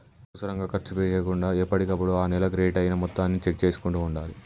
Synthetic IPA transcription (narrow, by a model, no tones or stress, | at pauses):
ɐusɐɾɐŋɡaːkɐɾt͡ʃupejeːkuɳɖaːepːɐʈikɐpːuɽoaːnɛlɐɡɾeːʈɐjinɐmɔt̪ːaːnːit͡ʃek̚t͡ʃe̞ːsu̥kuɳʈuːɳɖaːli